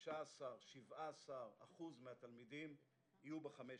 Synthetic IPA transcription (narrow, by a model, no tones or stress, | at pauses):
ʃaːsaʁʃivaːsaʁa̰χuzmehat̪almid̪im | ijubeχame